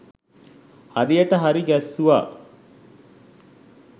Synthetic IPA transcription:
haɾijɐʈɐɦɐɾiɡæsːuʋa̰ː

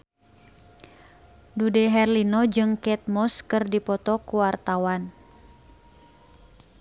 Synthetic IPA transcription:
dudɛɦɛrlinɔd͡ʒɨŋkɛt̪̚mɔskɨrdipɔt̪ɔkuwart̪awan

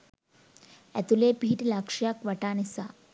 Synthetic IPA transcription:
ɛ̰t̪ulepiːʈlakʂjakʋəʈanisa

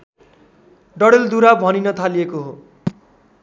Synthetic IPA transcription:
ɖʌɽeld̪uɾabʱʌninʌt̪ʰalijekoɦo

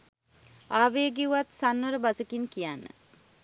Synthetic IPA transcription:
aːʋeːɡiuʋat̪sanʋəɾəbasəkinkijanːə̰

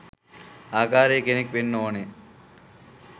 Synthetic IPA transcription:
aːkaːɾeːkenek̚ʋenːoone

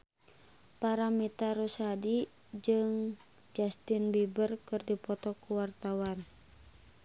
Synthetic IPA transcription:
paɾamit̪aɾusadi | d͡ʒɨŋ | d͡ʒast̪inbibərkɨrdipɔt̪ɔkuwart̪awan

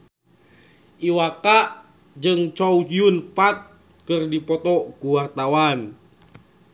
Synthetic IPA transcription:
ʔiwakaʔ | d͡ʒɨŋt͡ʃɔuiunpat̪̚ | kɨrdipɔt̪ɔkuwat̪awan

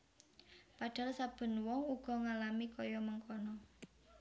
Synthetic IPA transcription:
paɖ̥a̤lsab̥ə̤nwɔŋuɡ̥ɔ̤ŋalamikɔjɔməŋkɔnɔ

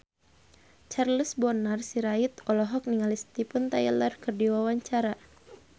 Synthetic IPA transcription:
t͡ʃarləsbɔnarsiɾait̪ɔlɔɦɔk̚niŋalist̪ipunt̪ajilərkɨrdiwawaɲt͡ʃaɾa

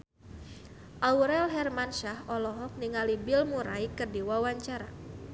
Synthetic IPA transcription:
ʔauɾɛlɦɛrmanʃahɔlɔɦɔk̚niŋalibɪlmuɾaikərdiwawaɲt͡ʃaɾa̰

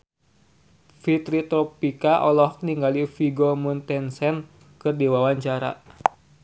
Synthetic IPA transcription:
fit̪ɾit̪ɾɔpikaʔɔlɔhniŋɡalifiɡomunt̪ɛnsɛn | kɨrdiwawaɲt͡ʃaɾa̰

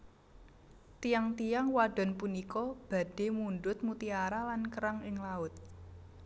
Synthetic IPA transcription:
t̪ijaŋt̪ijaŋwaɖ̥ɔ̤npunikɔb̥ä̤ɖ̥e̤munɖʊt̪̚mut̪iaɾalankəɾaŋɪŋlaʊt̪̚

